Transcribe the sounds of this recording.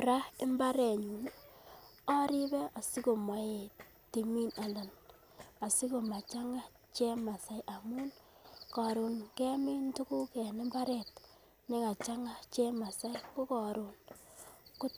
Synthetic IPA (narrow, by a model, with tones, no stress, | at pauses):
ɾa˦ɪ˦mba˦ɾe˨ɲu˨n | ɔ˦ɾi˦be˦a˨si˦ko˨ma˨e˨ | ti˨mi˦na˨na˨n | a˨si˦ko˨ma˨t͡ʃa˦ŋa˦ | t͡ʃe˦ma˨sa˨˦jʔa˨mu˦nkɔ˨ɾu˨nke˦mi˦ntu˦ku˦kɛ˨nɪ˦mba˦ɾe˨t | nɪ˦ŋa˨t͡ʃa˦ŋa˦t͡ʃe˦ma˨sa˦jkʊ˦kɔ˨ɾu˨n | kʊ˦